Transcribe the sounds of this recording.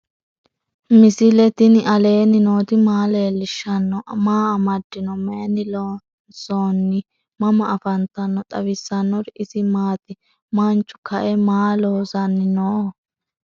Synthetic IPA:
mɪsɪlɛt̪ɪnɪʔɐle̞ːnɪnoːt̪ɪmaːleːlɪʃːɐnːɔʔmaːɐmɐd̪ːɪnɔmeːnɪlo | soːnːɪ | mɐmɐʔːfɐnt̪ɐnːɔt̪ʼɐβɪsːɐnːɔɾɪɪsɪmaːt̪ɪ | mant͡ʃːʊ̥kɐʔɛmaːloːzɐnːɪnoː

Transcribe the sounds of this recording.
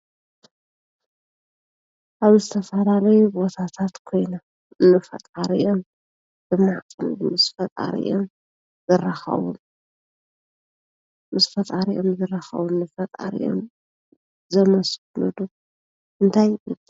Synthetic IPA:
ʔaβzɨt̪ʰɐfɐlalɐjubo̞t̪ʰat̪ʰat̪kʰo̞jna | ɨnːɨfɐ̰t̪ʼaɾiʔo̞m | z̥ɨmaʕkʼɨnb̪umɨsfɐt̪ʼa̰ɾḭʔo̰m | zɨraxɐ̰βum | mɨsfɐt̪ʼaɾʔomzɨraxɐ̰βunːɨfɐt̪ʼa̰ɾḭʔo̰m | zɐmɐs | lud̪u | ʔɨnt̪ʰaj

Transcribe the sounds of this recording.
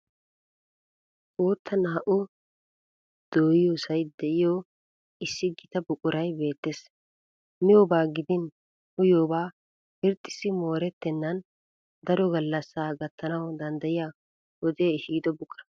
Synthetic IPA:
ʔoːt̪ːɐnaːʔʊ | d̪̥oːjɪjosɐjd̪ɛʔɪjo | ɪsːɪɡɪt̪ɐbʊkʼːʊɾɐjbe̞ːt̪ːeːs | mɪjoːbaːɡɪd̪ɪn | hʊjoːbaː | hɪɾt̪ʼːɪ̥sːɪmo̞ːɾɛt̪ːɛnːɐn | d̪ɐɾɔɡɐlːɐsːaːɡɐt̪ʰːɐnɐwd̪ɐnd̪ɐjɪjaː | wɔd̪eːhiːd̪ɔbʊkʼːɐn

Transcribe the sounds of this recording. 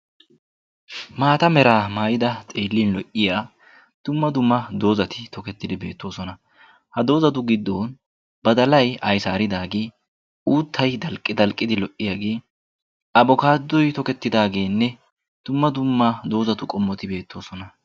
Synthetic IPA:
maːt̪ɐmɛɾaːmaːjɪd̪ɐt̪ʼe̞ːlːiːnlɔʔɪjaː | d̪̥ʊmːɐd̪ʊmːɐd̪o̞ːzɐt̪ɪt̪ɔkɛt̪ːɪd̪ɪbe̞ːt̪ːo̞ːsɔnɐ | hɐd̪o̞ːzɐt̪̬ʊɡɪd̪ːoːn | bɐd̪ɐlɐjɐjsaːɾɪd̪aːɡeː | uːt̪ʰːɐjd̪ɐlkʼːɪd̪ɐlkʼːɪd̪ɪlɔʔːɪjaɡeː | ɐbɔkaːd̪ːɔjt̪ɔkɛt̪ːɪd̪aːɡe̞ːnːɛ | d̪̥ʊmːɐd̪ʊmːɐd̪o̞ːzɐt̪ʊkʼɔmːɔt̪ɪbe̞ːt̪ːo̞ːsɔnɐ

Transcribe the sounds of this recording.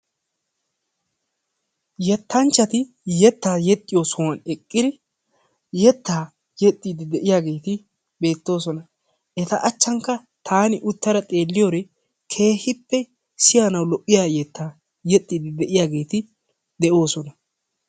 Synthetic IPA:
jɛt̪ːɐnt͡ʃːɐt̪ɪ | jɛt̪ːaːjɛt̪ʼːɪjo̞ːsɔwɐnɛkʼːɪd̪ɪ | jɛt̪ːaː | jɛt̪ʼːiːd̪ɪd̪ɛʔɪjaːɡe̞ːt̪ɪ | be̞ːt̪ːo̞ːsɔnɐ | ʔɛt̪ɐʔɐt͡ʃːɐŋkːɐ | t̪ʰaːnɪʔʊt̪ːɐɾɐt̪ʼe̞ːlːɪjoːɾɛ | kʰe̞ːhɪpːɛ | sɪjanɐwlɔʔʼːɪjaːjɛt̪ʰːaː | jɛt̪ʼːiːd̪ɪd̪ɛʔɪjaːɡe̞ːt̪ɪ | d̪ɛʔo̞ːsɔnɐ

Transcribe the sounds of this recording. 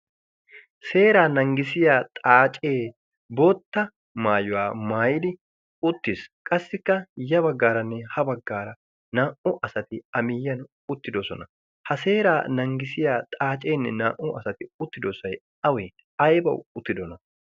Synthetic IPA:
se̞ːɾaːnɐŋɡɪsɪjaːt̪ʼaːt͡ʃʼe̞ː | boːt̪ːɐ | maːjʊwaːmaːjɪd̪ɪ | ʊt̪ːɪskʼɐsːɪkːɐjɐbɐɡːaːɾɐnːɛhɐbɐɡːaːɾɐ | naːʔʊʔɐsɐt̪ɪɐmɪjːɐn | ʊt̪ːɪd̪osɔ̰nɐ | hɐse̞ːɾaːnɐŋɡɪsɪjaːt̪ʼaːt͡ʃʼe̞ːnːɛnaːʔʊɐsɐt̪ɪʊt̪ːɪd̪osɐj | ɐweː | ɐjbɐwʊt̪ːɪd̪ɔnɐ

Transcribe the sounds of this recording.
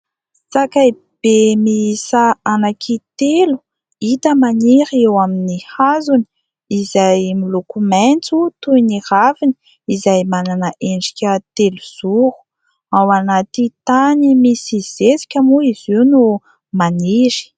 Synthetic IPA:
sakai | b̥emiisaanakʰit̪elu̥ | it̪əmaniɾewaminihazuni̥ | izajmilokument͡sut̪uiniravini̥ | izajmananəʔeɳɖ͡ʐi̥kʲət̪eluz̥uɾu̥ | awanat̪it̪animisiz̥esi̥kʲamuiziwnu | maniɾi̥

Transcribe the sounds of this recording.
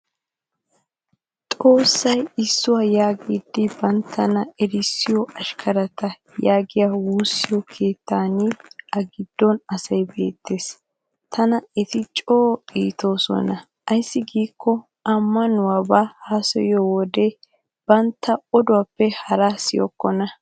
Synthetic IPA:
t̪ʼo̞ːsːɐjɪsːʊwaːjaːɡiːd̪ːɪbɐnt̪ʰːɐnɐɛɾɪsːɪjɔɐʃkʰɐɾɐt̪ɐ | jaːɡɪjawuːsːɪjɔkʰe̞ːt̪ːaːnɪɐɡɪd̪̥ːɔnɐsɐjbe̞̰ːt̪ːe̞ːs | t̪ʰɐnɐɛt̪ɪt͡ʃʼoːiːt̪o̞ːsɔ̰nɐ | ʔɐjsːɪɡiːkːɔ | ʔɐmːɐnʊwabaːhaːsɛ̰jowɔd̪e | b̥ɐnt̪ːɐɔd̪ʊwapːɛhɐɾasɪjɔ̰kːɔnɐ

